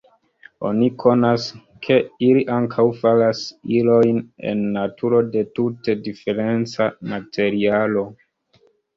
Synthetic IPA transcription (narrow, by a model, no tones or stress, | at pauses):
o̞̰nikʰo̞nas | kʰe̞iliʔaŋkʰawfalasilo̞jnḛnːatʰuɾo̞de̞tute̞dife̞ɾe̞nt͡samatʰe̞ɾialo̞